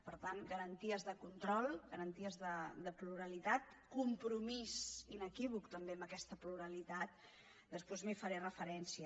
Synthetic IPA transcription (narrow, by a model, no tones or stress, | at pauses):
pəɾt̪anɡəɾənt̪iəzðəkunt̪ɾɔlˠɡəɾənt̪iəzðəd̪əpluɾəlit̪at̪̚ | kumpɾumisinəkiβukt̪əmbeəməkɛst̪əpluɾəlit̪at̪̚ | d̪əspwezmifəɾerəfəɾɛnsiə